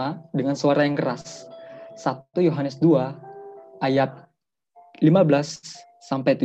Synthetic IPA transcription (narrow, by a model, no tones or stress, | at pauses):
adəŋansuaɾajaŋkəɾasː | at̪ujoɦanəsdua | ajat̪̚ | limabəlasː | ampajt̪u